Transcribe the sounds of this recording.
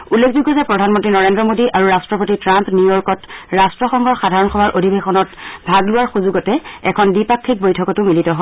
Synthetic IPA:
ulːekʰzuɡɔzɛpɹɔdʱanmɔntɹinɔɹendɹɔmodiʔaɹuɹastɹɔpotitɹampnujɔɹkɔtɹastɹɔxɔŋɡʱɔɹxadʱaɹɔnxɔbʱaɹʔodʱibexɔnɔtbʱaɡlʊwaɹxuzuɡɔtɛɛkʰɔndipakʰːik̚bojtʰɔkɔtʊmilitɔɦɔ

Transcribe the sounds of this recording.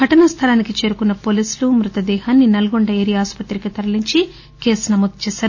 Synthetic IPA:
ɡʱɐʈɐnɐst̪ʰɐlaːnikit͡ʃe̞ːɾukunːɐpo̞ːliːslumɾut̪ɐd̪ɛːhaːnːinɐlɐɡoɳɖɐeːɾijaːspɐt̪ɾikit̪ɐɾɐliɲt͡ʃi | keːsnɐmod̪̚t͡ʃɛːʃaːɾu

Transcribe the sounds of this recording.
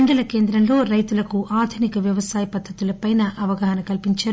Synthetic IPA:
ɳɖɐlɐke̞ːnd̪ɾɐmlo̞ːɾɐjt̪ulɐkuʔaːd̪ʱunikɐʋjɐʋɐsaːjɐpɐd̪ʱːɐt̪ulɐpɐjnɐʔɐʋɐɡɐɦɐnɐkɐlpiɲt͡ʃaːɾ

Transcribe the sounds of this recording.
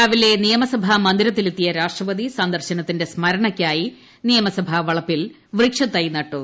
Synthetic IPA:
aːʋile̞nijɐmɐsɐbʱamɐnd̪iɾɐt̪ːilet̪ːijɐɾaːʂʈrɐʋɐd̪isɐnd̪ɐrɕɐnɐt̪ːinde̞smɐɾɐɳɐkʲːaːji | nijɐmɐsɐbʱɐʋɐɭɐpːil | ʋriːkʂɐt̪ːɐjnɐʈːu

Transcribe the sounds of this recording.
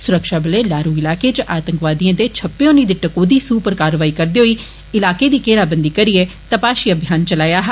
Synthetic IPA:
sʊɾəkʃaːbɪleːlaːɾuːɪlaːkeːt͡ʃəʔaːt̪əŋkʋaːd̪iãːd̪eːt͡ʃʰəpːɪõːnĩːd̪ɪʈəkoːd̪iːsuːpəɾkaːɾʋaːiːkəɾd̪eːɦoiː | ɪlaːkeːd̪iːkeːlaːbənd̪iːkəɾiːɛːt̪əpaːʃiːəbʱjaːnt͡ʃəlaːjaːɦ

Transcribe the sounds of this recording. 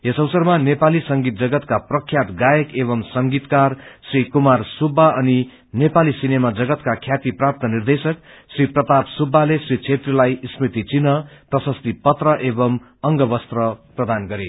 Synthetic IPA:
esʌwsʌrmanepalisʌŋɡit̪̚d͡zʌɡʌt̪kaprʌkʰjat̪ɡajʌkeβʌmsʌŋɡit̪karsrikumarsubʱːaʌni | nepalisinemad͡zʌɡʌt̪kakʰjat̪iprap̚t̪ʌnird̪esʌk̚ | sriprʌt̪apsubʱːalesrit͡sʰet̪rilajsmit̪it͡sinʌprʌsʌst̪ipʌt̪rʌʔebʌm | ʌŋɡʌbʌst̪rʌprʌd̪anɡʌɾe

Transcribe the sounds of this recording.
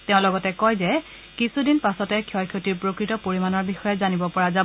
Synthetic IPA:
teʊ̃lɔɡɔtɛkɔjzɛ | kisudinpasɔtɛkʰjɔjkʰjotiɹpɹokɹitɔpoɹimanɔɹbixɔjɛzanibɔpɔɹazab

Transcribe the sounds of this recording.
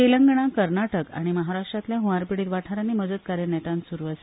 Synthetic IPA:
eləŋɡɳ̃akəɾnaʈəka̰ɽ̃iməɦaɾaʂʈɾat̪ljaɦuʋaɾpiɽiːt̪ʋaʈʰaɾanːiməd͡zət̪̚kaɾjənɛt̪ãnsuɾuʋəs

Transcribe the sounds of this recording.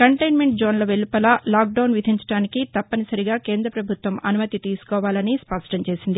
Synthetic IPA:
kɐɳʈɐjnme̞ɳʈd͡ʒoːnlɐʋelupɐlalaːk̚ɖɐwnʋid̪ʱiɲt͡ʃɐɽaːnikit̪ɐpːɐnisɐɾiɡaːkeːnd̪ɾɐpɾɐbʱut̪ʋɐmɐnumɐt̪it̪iːsu̥kɔːʋaːlɐnispɐʂʈɐɲt͡ʃe̞ːsind̪i

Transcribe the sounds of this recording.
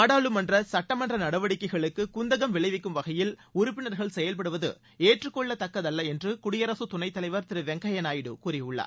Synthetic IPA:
ɐːɽaːɭɯmɐndrɐsɐʈːɐmɐndrɐnɐɽɐʋɐɽɪkːɐɪɣɐɭɯkːɯkʊnd̪ɐɣɐmʋɪɭɐɪʋɪkːɯmʋɐɣɐjɪlʊɾʊpːɪnɐɾɣɐɭsɛjɐlpɐɽɯʋɐðɯ̰ | eːʈrɯkːɔɭːɐt̪ɐkːɐðɐlːɐɛndrɯkʊɽɪjɐɾɐsɯt̪ʊnɐɪt̪ːɐlɐɪʋɐɾt̪ɪɾɯʋɛŋɡɐjɐnaːjɪɽɯ̰kuːɾɪjʊɭːɐ̰

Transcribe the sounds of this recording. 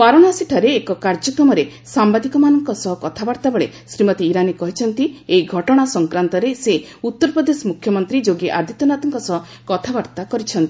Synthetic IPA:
paɾɔɽ̃asiʈʰɔɾeːkɔkaɾd͡ʒɔkɾɔmɔɾe | sambad̪ikɔmanɔŋkɔsɔɦɔkɔt̪ʰabaɾt̪abeɭe | sɾimɔt̪iːɾanikɔɦit͡ʃʰɔnt̪ieiɡʱɔʈɔɽ̃asɔŋkɾant̪ɔɾeseut̪ːɔɾpɾɔd̪esɔmukʰjɔmɔnt̪ɾid͡ʒoɡiʔa̰ɾd̪ʱit̪ɔnat̪ɔŋkɔsɔɦɔ | kɔt̪ʰabaɾt̪akɔɾit͡ʃʰɔnt̪ii

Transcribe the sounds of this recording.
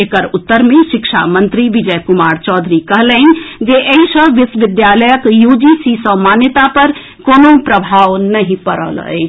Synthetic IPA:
ekəɾut̪ːəɾmeʃikʃʰa̰mənt̪ɾiʋid͡ʒəkumaɾt͡ʃɔd̪ʱɾikəɦləɦɪnd͡ʒeʔeɦisə̃ʋisʋɪd̪jaləjəkjud͡ʒisisə̃manjət̪apəɾ | koːnopɾəbʱaʋnəɦĩpəɾə̰lɦə̰t͡ʃʰ

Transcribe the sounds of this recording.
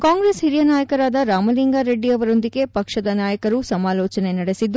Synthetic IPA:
kaːŋɡɾeshiɾijɐnaːjɐkɐɾaːd̪ɐɾaːmɐliŋɡaːɾeɖːiɐʋɐɾo̞nd̪iɡe̞pɐkʂɐd̪ɐnaːjɐkɐɾusɐmaːlɔːt͡ʃɐne̞nɐɽesid̪ːu

